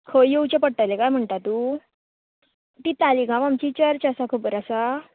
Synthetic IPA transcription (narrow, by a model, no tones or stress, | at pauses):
kʰojowt͡ɕepəɽ̚ʈalekajm̤əɳt̪at̪u | t̪it̪aliɡʱãʋamt͡ɕit͡ɕəɾt͡ɕəsakʰubəɾəsa